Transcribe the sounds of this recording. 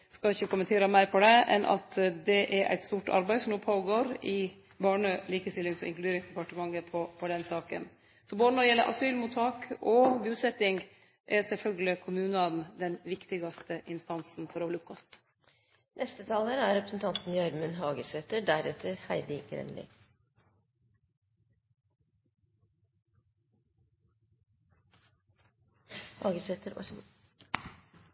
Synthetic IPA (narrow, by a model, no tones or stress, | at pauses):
skɑɪçːəkʊmːənt̪ʰeːɾɑmæɪɾpʰɔd̪ɛʔɛ̰nʔɑ̰t̪d̪ɛʔɛɾʔæ̰ɪt̪st̪uːʈɑ̰ɾbæɪsɔmuːpʰoːɡoːɾɪ | bɑːɳəliːkəst̪ɪlːɪŋsɔ̰ɪ̰ŋklʉd̪eːɾɪŋsd̪ɛpɑʈəmɑŋːəpʰɔpʰɔd̪ɛnsɑːkə̰n | sɔboːd̪ənɔd̪ɛjɛlːəʔɑ̰syːlmʊt̪ʰːɑːkɔbʉːsɛt̪ːɪŋ | ʔɛɾsɛlfœlɡəlɪkʰʊmʉːnɑnd̪ɛnʋɪkt̪ɪɡɑst̪əʔɪnst̪ɑnsn̩fɔɾɔholəʊp̚kʰɑst̪ | nʔɛst̪ət̪ʰɑːləɾæɾɾɛpɾəsn̩t̪ʰɑnt̪n̩jɑɾmʉnɦɑːɡəseːt̪əɖæɾɛt̪ʰəɾhæɪd̪ɪɡɾɛ̰nlɪ̰ | hɑːɡəseːt̪əɾ